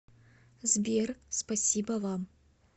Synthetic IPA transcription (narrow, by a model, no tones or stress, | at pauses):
zbʲerspasʲibavam